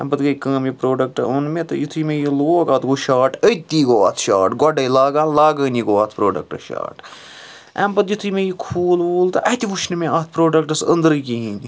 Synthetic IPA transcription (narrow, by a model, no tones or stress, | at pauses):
ɛ̰mbɐt̪ɡɐjkɐ̃ːmjipɾoːɖɐk̚ʈɐ̰onmẽt̪ɐ̰jit̪ʰumẽjiloːɡaːt̪ɡoʃaːʈət̪ːiːɡoːaːt̪ʰʃaːʈɡɔɖɐjlaːɡãːnlaːɡɐːniɡoaːt̪ʰpɾoːɖɐ̰k̚ʈɐ̰ʃa̰ːʈ | ɛ̰mpɐt̪jit̪ʰɨmẽjikʰuːluːlt̪ɐʔɐt̪iʋut͡ʃʰnimẽʔaːt̪ʰpɾoːɖɐk̚ʈɐsə̰nd̪ɾɨkiɦĩːnd̪ʲi